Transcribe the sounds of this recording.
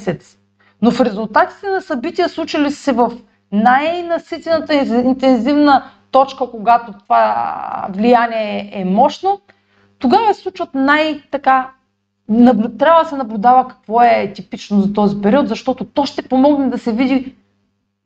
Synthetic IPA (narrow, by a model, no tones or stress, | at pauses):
sɛt̪s | nofɾɛzulˠt̪at̪i̥t̪ɛnɐsɐbit̪ijəslˠut͡ʃɐlissɛvɐf | najnɐsit̪ɛnət̪əint̪ɛnzivnət̪ɔt͡ʃkəkoɡat̪ot̪ovavlijanʲiɛɛmɔʃno | t̪oɡavɐsɛ̥sˠut͡ʃvət̪najt̪ɐka | nɐblt̪ɾʲavəd̪ɐsɛnɐblʲud̪avəkɐ̥kvɔɛt̪ipit͡ʃnozɐt̪ɔzipɛɾiɔt̪zɐʃt̪ɔt̪ot̪ɔʃt̪ɛpomɔɡnɛd̪ɐsɛvid̪i